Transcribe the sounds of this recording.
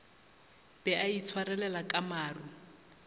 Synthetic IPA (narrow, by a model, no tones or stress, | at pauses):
b̥ɛait͡sʰwarɛlɛlakʼamaːru